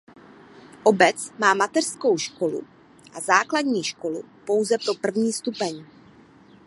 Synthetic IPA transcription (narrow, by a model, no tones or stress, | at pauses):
ʔo̞bɛt͡smaːmat̪ɛr̥sko̞wʃko̞lṵ | ʔazaːkladɲiːʃko̞lṵpo̞wzɛpɾo̞pr̩vɲiːst̪upɛɲ